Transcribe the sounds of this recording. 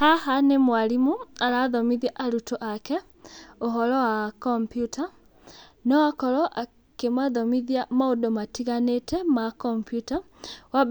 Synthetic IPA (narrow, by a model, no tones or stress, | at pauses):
hahanemwalimualaðɔmiðjaʔaɾutoʔakɛ | oɦɔlɔwakɔmpjuta | nɔwakɔlɔʔa | kemaðɔmiðiamaodɔmatiɣanetʰɛmakɔmpjuta | wa